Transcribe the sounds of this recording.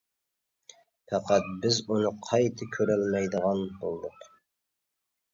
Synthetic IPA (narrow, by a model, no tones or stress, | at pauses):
pæqæt̪̚bɪzunɨqʰɑjt̪ʰɨkʲʰøɾælmɛjd̪əʁɑnbolˠd̪ʊq